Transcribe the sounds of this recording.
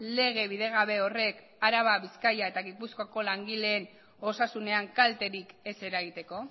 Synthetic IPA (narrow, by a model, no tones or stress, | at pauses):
le̞ɣ̞e̞βiðe̞ɣ̞aβe̞ore̞k | aɾaβaβiskajae̞t̪aɣipuskoako̞laŋɡile̞ːn | o̞sasune̞aŋkalt̪e̞ɾike̞se̞ɾaɣ̞it̪e̞ko̞